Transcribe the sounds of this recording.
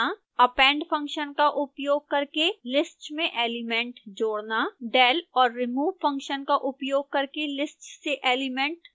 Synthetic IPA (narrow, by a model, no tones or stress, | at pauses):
a | ɐpɛ̃ːɳɖpʰɐ̃ŋkʃənkaʔʊpjoːɡ̚kɐɾkelɪsʈmẽʔeːlɪmɛ̃ːɳʈd͡ʒoːɽnaɖɛːlɔːɾːɪmuːʋfʰɐ̃ŋkʃənkaʔʊpjoːɡ̚kɐɾkelɪsʈseʔeːlɪmẽɳʈ